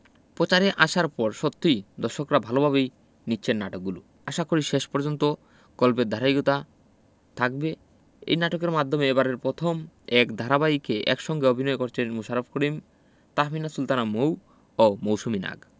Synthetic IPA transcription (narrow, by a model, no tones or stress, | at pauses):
pot͡ɕaɾeʔaʃaɾpɔɾʃot̪ːid̪ɔʃokɾabʱalobʱaβej | nitːɕʰenːaʈok̚ɡulu | aʃakoɾiʃeʃpɔɾd͡ʑont̪o | ɡ̥ɔlped̪ʱaɾajɡot̪a | t̪ʰak̚be | ḛjnaʈokeɾmad̪ʱːomeebaɾeɾpɾot̪ʰomɛkd̪ʱaɾabajkeʔɛ̰kʃɔŋɡeobʱinɔekoɾt͡ɕʰenmuʃaɾofkoɾim | t̪aminasult̪anamow | omowʃumina̰ɡ